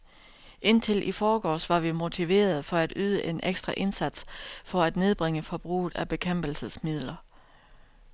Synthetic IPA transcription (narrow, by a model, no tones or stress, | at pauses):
ʔe̝n̰t͡sʰe̝lʔifɒːɡ̥ɒ̰ːsʋɑ̈ʋimo̝t͡sʰiʋe̝̰ːɐð̞ˠfɒ̽æd̥yːð̞ˠəʔe̝nʔeɡ̥sd̥ʁɑʔe̝nsæd̥sfɒ̽æd̥ne̝ð̞ˠb̥ʁeŋəfɒ̽b̥ʁṵːð̩ˠæb̥e̝kʰem̰b̥l̩səsmið̰ˠlɐ